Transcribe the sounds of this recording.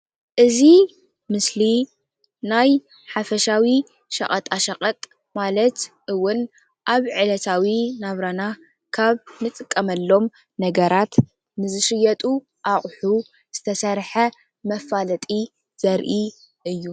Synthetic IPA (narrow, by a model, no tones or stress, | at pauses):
ʔɨzi | mɨsli | naj | ħafɐʃawi | ʃɐ̰qʼɐt̪ʼaʃɐqʼɐt̪ʼ | malɐt̪ʔɨwːʊn | ʔaβʕɨlɐt̪ʰawinaβɾana | kʰaβnɨt̪ʼɨkʼːɐmɐlːo̞m | nɐɡɐɾat̪ | nɨzɨʃɨjɐt̪ʼu | ʔaχʼħu | z̥ɨt̪ʰɐsɐɾħɐ | mɐfːalɐt̪ʼi | z̥ɐɾʔi | ʔɨjːu